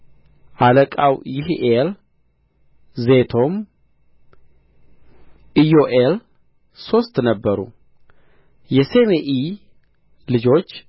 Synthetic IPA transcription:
ʔaləkʼawjɪɦʔel | ze̞t̪ʰo̞m | ʔijoʔel | so̞st̪nəbːəɾṵ | jɛsemeʔi | lɨd͡ʒo̞t͡ʃː

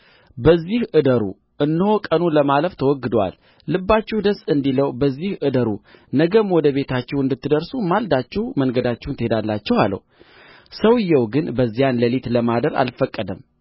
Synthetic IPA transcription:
bəzːihʔɨd̪əɾṵ | ʔɨnːɨho̞kʼənuləmaləft̪ʰəwɔɡːɨd̪wa̰lː | ɨbːat͡ʃːɛhd̪əsʼɨnd̪iləwbəzːihʔɨd̪əɾunəɡəmwɔd̪əβe̞t̪ʰat͡ʃːɛwɨnd̪ɨt̪ːɨd̪əɾsumald̪at͡ʃːɛwmənɡəd̪at͡ʃːɛwnt̪əhed̪alːat͡ʃːɛwalːə̰w | səwɨjːɛwɡɨnbəzːijanləlit̪ləmad̪əɾa̰lfəkʼːəd̪əm

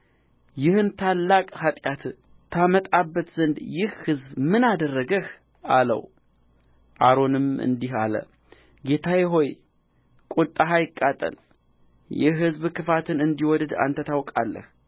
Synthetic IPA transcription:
jɪhɨnt̪ʰalːakʼhat̪ʼjat̪ | t̪ʰːamət̪ʼabːət̪z̥ɨnd̪jɪhhɨzbmɨnad̪ərːəɡəh | alə̰w | ʔaɾo̞nɨmɨ̰nd̪iɦalə̰ | ɡe̞t̪ʰajɛɦo̞j | kʼut̪ʼaɦajɪkʼːat̪ʼə̰l | jɛɦɨzbkʰɨfat̪ʰɨnɨnd̪iwɔd̪əd̪a̰nt̪ʰət̪ʰawkʼa̰lːə̰h

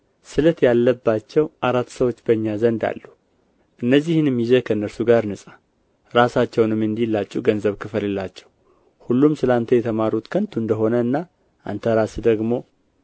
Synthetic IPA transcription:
sɨlt̪jalːəbːat͡ʃːɛwʔaɾat̪ːsəwo̞t͡ʃːbəɲːazənd̪a̰lːu | ʔɨnːəzːihɨnɨmjizəkʰəɨnːəɾsuɡaɾnɨsʼa | ɾasat͡ʃːɛwnɨmːɨnd̪ilːat͡ʃʼːuɡənzəβkʰɨflɨlːat͡ʃːɛw | hulːumsɨlant̪ʰəjɛt̪ʰəmaɾut̪kʰənt̪ʰuɨnd̪əɦo̞nəɨnːa | ʔa̰nt̪ʰəɾasd̪əɡmo̞

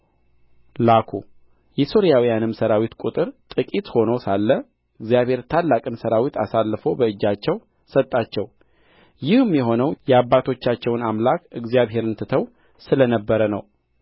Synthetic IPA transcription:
lakʰṵ | jɛso̞ɾijawijanɨmsəɾawit̪kʼut̪ʼɨɾt̪ʼɨkʼit̪ho̞nəwsalːə | ɨɡzijaβhe̞ɾt̪ʰalːakʼɨnsəɾawit̪ʰa̰salːfo̞bəɨd͡ʒːat͡ʃːɛw | sət̪ʼːat͡ʃːɛw | jɪhɨmjɛɦo̞nəwjɛabːat̪ʰo̞t͡ʃːat͡ʃːɛwnamlakɨɡzijaβɦe̞ɾɨnt̪ʰɨt̪ʰəw | sɨlənəbːəɾənəw

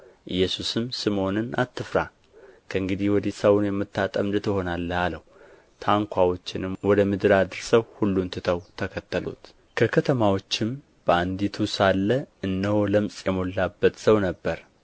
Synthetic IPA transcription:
ʔɨjːɛsusɨmsɨmo̞nɨna̰t̪ːɨfɾa | kʰəɨŋɡɨd̪ihwɔd̪isəwʊnjɛmːɨt̪ːat̪ʼəmd̪ɨt̪ʰɨɦo̞nalːəhaləh | t̪ʰaŋkʷʰawo̞t͡ʃːɪnɨmwɔd̪əmɨd̪ɨɾad̪ɨɾsəwhulːunt̪ʰɨt̪ʰəwt̪ʰəkʰət̪ʰːəlṵt̪ | kʰəkʰət̪ʰəmawo̞t͡ʃːɪm | b̥əand̪it̪ʰusalːəɨnːəwoləmsʼjɛmo̞lːabːət̪səwnəbːəɾ

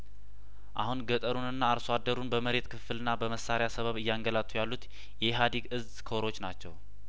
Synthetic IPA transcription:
ʔahunɡət̪ʼəɾunɨnːaːɾsoad̪ːəɾunbəməɾe̞t̪kʰɨfɨlɨnːabəməsːaɾejasəβəβɨjːaŋɡəlat̪ʰːujalːut̪ | jɛɦad̪iɡɨz | kʰoɾo̞t͡ʃːnat͡ʃːɛw

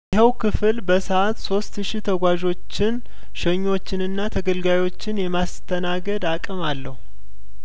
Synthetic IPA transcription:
jɪɦəwkʰɨfɨlbəsəʔat̪so̞st̪ʃit̪ʰəɡʷaʒo̞t͡ʃːɪn | ʃəɲːo̞t͡ʃːɪnɨnːat̪ʰəɡəlɡajo̞t͡ʃːɪnjɛmast̪ʰənaɡəd̪akʼɨmalːəhu

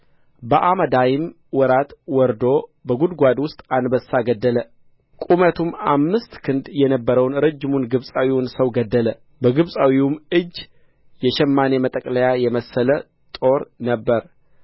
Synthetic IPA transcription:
bəʔaməd̪ajɪm | wɔɾat̪wɔɾd̪o̞bəɡud̪ɡʷad̪wʊst̪ʼanbəsaɡəd̪ːələ | kʼumət̪ʰumamːɨst̪kʰɨnd̪jɛnəbːəɾəwnɾəd͡ʒːɪmunɡɨβsʼawiwʊnsəwɡəd̪ːələ | bəɡɨβsʼawiwumɨd͡ʒː | jɛʃɛmːane̞mət̪ʼəkʼləjajɛməsːələ | t̪ʼo̞ɾnəbːəɾ

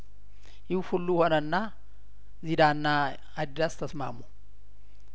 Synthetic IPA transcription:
jɪhhulːuho̞nəɨnːa | zid̪anːaː | d̪ast̪ʰəsma̰mu

